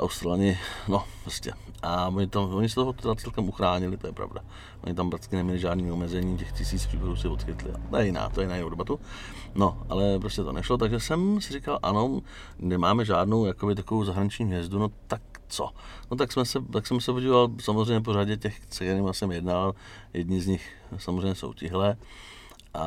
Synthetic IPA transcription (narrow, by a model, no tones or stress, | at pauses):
ʔa̰wst̪ɾalɲɪno̞pɾoscɛ̰ | ʔaoɲɪt̪amo̞ɲɪs̬ɛt̪oɦot̪ɛdat͡sɛlkɛmuxɾaːɲɪlɪt̪ojɛpɾa̰vda̰ | ʔoɲɪt̪ampɾat͡skɪnɛmɲɛlɪʒaːdniːomɛzɛɲiːcɛxcɪsiːt͡spɾikoɾuːsɪvot̪xɪt̪lɪ̰a̰t̪ojɛjɪna̰ːt̪ojɛjɪnaːjnoudɛbat̪u | no̞ʔa̰lɛpɾoscɛt̪o̞̰nɛʃlot̪aɡʒɛsɛmsɪrɪkalʔa̰no̞ | nɛmaːmɛʒaːdno̞wjakobɪt̪akovowzaɦɾaɲɪt͡ʃɲiːɦvjɛzduno̞t̪ak̚t͡so̰not̪aksmɛsɛt̪aksɛmsɛpoɟivovalsamozrɛjɲɛp̬oɾaɟɛcɛxsɛkt̪ɛɾiːmasɛmɪjɛdnaːval | jɛdɲɪzɲɪx | samozrɛjɲɛso̰wcɪɦlɛː | ʔa